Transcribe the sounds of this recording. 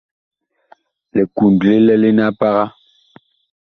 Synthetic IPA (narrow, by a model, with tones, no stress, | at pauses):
le˨ku˨n˨dle˦lɛ˦le˦na˦pa˦ɣa˦